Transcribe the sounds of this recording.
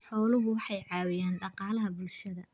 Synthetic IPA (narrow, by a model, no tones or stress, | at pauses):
ħɔːlʊɦʊwɑħɑjʕɑːwɪjaːnɖɑqɑːlɐɦɐbʊlʃɐðɐ̰